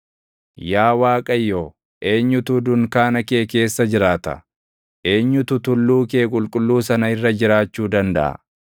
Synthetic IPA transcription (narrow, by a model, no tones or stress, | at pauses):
jaːwaːkʼɐjːoː | ʔe̞ːɲːʊt̪ʊd̪ʊŋkaːnɐke̞ːke̞ːsːɐd͡ʒɪɾaːt̪ɐ̰ | ʔe̞ːɲːʊt̪ʊt̪ʊlːuːke̞ːkʼʊlkʼʊlːuːsɐnɐɪrːɐd͡ʒɪɾaːt͡ʃːuːd̪ɐnd̪ɐ̰ʔɐ̰